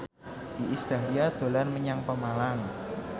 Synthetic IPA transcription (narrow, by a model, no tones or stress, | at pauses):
ʔiʔista̤liad̪̥o̤lanməɲaŋpəmalaŋ